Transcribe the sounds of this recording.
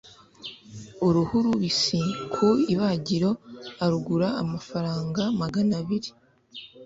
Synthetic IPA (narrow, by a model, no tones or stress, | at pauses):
uɾuhuɾuβisikʰuiβaɟiɾo̞aɾuɡuɾaːmafaɾaːŋɡamaɡanaβiɾi